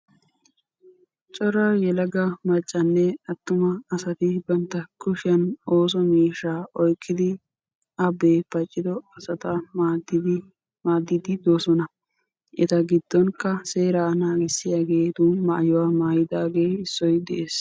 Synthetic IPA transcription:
t͡ʃʼɔɾajɛlɐɡɐmɐt͡ʃʼːɐnːɛɐt̪ːʊmɐːsɐt̪ɪbɐnt̪ːɐkʰʊʃɪjɐnoːs̬ɔmiːʃaːʔɔjkʰːɪd̪ɪ | ʔɐbeːpɐt͡ʃʼːɪd̪ɔɐsɐt̪ɐd | maːd̪ːɪd̪ɪd̪oːsɔnɐ | ʔɛt̪ɐɡɪd̪̥ːɔŋkːɐseːɾaːnaːɡɛsːɪjaːɡeːt̪ʊmaʔːjɔwaːmaːjɪd̪aːɡe̞ːɪsːɔjd̪ɛʔeːs

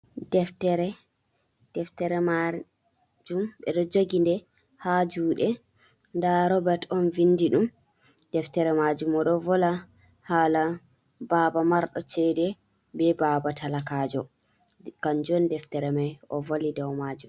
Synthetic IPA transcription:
dɛftɛɾɛ | d̥ɛftɛɾɛma | d͡ʒumɓɛɗɔd͡ʒoɡindɛ | had͡ʒuːɗɛ | ndaɾɔbɛɾtɔnvindiɗum | d̥ɛftɛɾɛmad͡ʒumɔɗɔvɔla | haːla | baːbamaɾɗɔt͡ʃɛdɛ | bɛbabatʰalakaːd͡ʒɔ | kand͡ʒɔndɛftɛɾɛmajʔɔvolidɔwmad͡ʒum

